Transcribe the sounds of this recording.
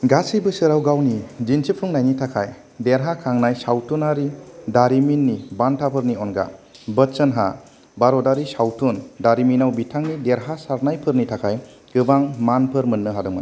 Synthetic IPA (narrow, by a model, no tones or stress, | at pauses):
ɡasijbɯsɯɾawɡawnid͡ʒinsʰipʰuŋnajnitʰakʰaj | deɾɦakʰaŋnajsawtʰunaɾidaɾiminːibantʰapʰɯɾniɔnɡa̰bəsənɦa̰ | baɾɔdaɾisawtʰundaɾiminawbitʰaŋnideɾɦasaɾnajpʰɯɾnitʰakʰaj | ɡɯbaŋmanpʰɯɾmɯnːɯɦadɯŋmɯ̰n